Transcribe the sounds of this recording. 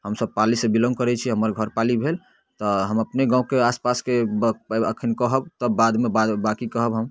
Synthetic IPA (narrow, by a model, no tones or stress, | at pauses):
ɦəmsəb̚palisẽbilə̃ŋɡ̚kəɾɛt͡ʃʰiɦəməɾɡʱəɾpalibʱel | t̪ɔɦəməpneɡãũkeaspaske | əkʰənkəɦəb̚t̪ɔbad̪mebad̪bakikəɦəbɦəm